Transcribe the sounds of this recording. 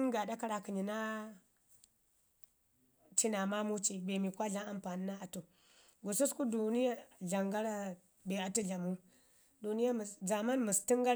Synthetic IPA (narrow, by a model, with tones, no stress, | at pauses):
ŋɡa˨da˦ka˦ɾa˨ki˨ɲi˨na˦ | t͡ʃi˦na˨ma˦mu˦t͡ʃi˨be˨mi˨kʷa˦ɮa˦a˨mpa˨ni˦na˦a˨tu˨ | ɡu˨su˦sku˦du˨ni˦ja˦ɮa˨ŋɡa˦ɾa˦ | be˨a˨tu˦ɮa˨mu˦ | du˨ni˦ja˦m˨za˨ma˦nmu˨sti˦ŋɡa˦ɾ